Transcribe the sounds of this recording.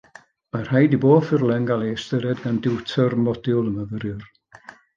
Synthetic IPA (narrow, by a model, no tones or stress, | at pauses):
mar̥hajdiboːfɪrlˠɛŋɡalˠestəɾɛdɡandɪwtʰɔrmɔdɪlˠəməvəɾʊr